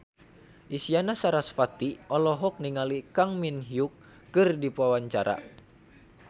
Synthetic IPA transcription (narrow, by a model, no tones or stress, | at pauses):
ʔisianasaɾasfat̪iʔɔlɔɦɔk̚niŋalikaŋminɦiukː | ɨrdipuawaɲt͡ʃaɾa̰